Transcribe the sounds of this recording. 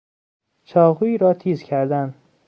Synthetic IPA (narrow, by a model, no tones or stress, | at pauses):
t͡ʃʰɒːɣuːiːɾɒːt̪ʰiːzcʲʰæɾd̪æn